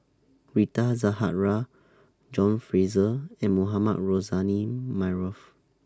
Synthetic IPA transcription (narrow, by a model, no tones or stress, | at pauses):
ɹitazaɦa̰t̚ɹa | d͡ʒɔ̃nfɹizəɛ̃nmoɦama̰t̚ɹozanimaɹɔf